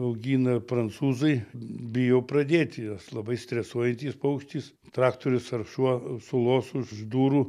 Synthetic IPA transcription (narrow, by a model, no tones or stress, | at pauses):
ɐʊɡʲiːnɐpɾɐnt̪suːzɐɪbʲɪjɛʊpɾɐd̪ʲeːt̪ʲɪjɐslˠɐbɐɪsʲt̪ʲɾʲɛsuɔjɛnʲt̪ʲiːspɐʊkʃʲt̪ʲiːs | t̪ɾɑːkt̪oɾʲʊsɐrʃuɔsʊlˠoːsʊʒd̪uːɾuː